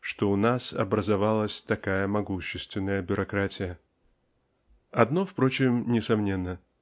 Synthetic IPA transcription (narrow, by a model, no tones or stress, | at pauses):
ʂt̪oʊnasɐ̰bɾəzɐvalˠəsʲt̪ɐkajəmɐɡuɕːɪst̪vʲɪnːəjəbʲʊɾʔɐkɾatʲɪjə | ɐd̪nofpɾot͡ɕɪmnʲɪsɐmnʲe̞nːə